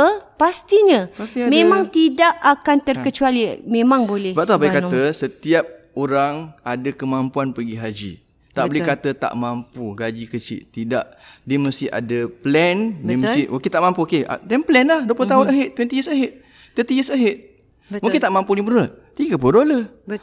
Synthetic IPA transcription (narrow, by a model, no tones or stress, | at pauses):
əpast̪iɲaast̪imẽmãŋt̪idaʔakant̪ərkət͡ʃualimemãŋbolɛbat̪abaikat̪əsət̪iap̚ | oɾaŋadəkəmampuanpəɡiɦad͡ʒḭ | t̪aʔbəlɛkat̪ət̪a̰ʔmampuɡad͡ʒikət͡ʃḭʔt̪idaʔdiəməst̪ia̰dəplɛndimsimukɪt̪aʔmampuokea̰t̪ɛmplɛnlahduəplot̪aʊnəɦeʔ̪̚t̪ɛnt̪iəsəɦeʔ̪̚ | t̪ət̪iəsəɦet̪̚ | bmũkɪt̪aʔmampulibəɾət̪̚t̪iɡəp̬odolə | b